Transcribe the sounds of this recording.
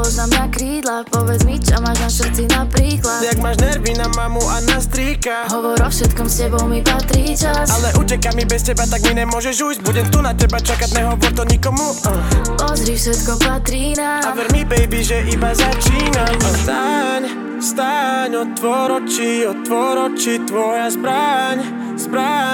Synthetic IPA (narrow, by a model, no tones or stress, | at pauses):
ɔznamd̪akɾiːd̪lapɔʋɛd͡zmit͡ʃamaːʒnaʃrt͡sinapɾiːklajaɡmaːʒnɛɾvinamamuʔanast̪ɾiːkaɦɔʋɔɾɔfʃɛt̪kɔmscɛbɔwmipat̪ɾiːt͡ʃasalɛʔucɛkamibɛscɛbat̪aɡminɛmʊɔʒɛʒuːjzɟ̚buɟɛmt̪unacɛbat͡ʃakaɟnɛɦɔʋɔɾt̪ɔɲikɔmu | a | ɔzɾifsɛt̪kɔpat̪ɾiːnaavɛɾmibɛjbiʒɛʔibazat͡ʃiːnamast̪aɲ | st̪aɲɔtt̪ːʋɔɾɔt͡ʃiɔt̪ːʋɔɾɔt͡ʃit̪ʋɔjazbɾaɲ | z̥bɾa